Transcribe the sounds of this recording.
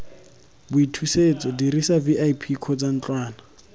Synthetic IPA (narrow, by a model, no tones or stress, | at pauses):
bʊitʰuset͡sʼɔdirisabiʔaipʰikʰɔd͡zan̩t͡ɬʼwaːna